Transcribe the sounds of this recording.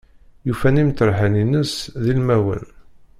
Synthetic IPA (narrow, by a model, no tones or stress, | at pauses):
jufænimt̪əɾħæninəsðilmæwə̰n